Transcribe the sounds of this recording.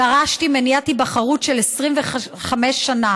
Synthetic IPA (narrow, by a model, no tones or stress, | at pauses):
aʁaʃtimenjatibaχaʁutʃelesʁimveχχameʃːana